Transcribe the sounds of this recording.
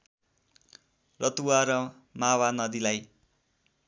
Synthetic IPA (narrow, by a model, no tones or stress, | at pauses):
rʌt̪uwaɾʌ | mawanʌd̪ilaj